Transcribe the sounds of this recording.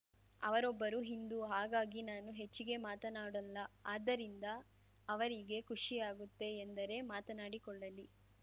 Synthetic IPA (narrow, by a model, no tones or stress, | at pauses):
ɐ̰ʋɐɾɔbːɐɾuɦind̪uɦaːɡaːɡinaːnuɦe̞t͡ʃːiɡe̞maːt̪ɐnaːɽɐlːɐaːd̪ːɐɾind̪ɐː | ʋɐɾiɡe̞kʰuʂijaːɡut̪ːe̞ːnd̪ɐɾe̞maːt̪ɐnaːɽikɔɭːɐli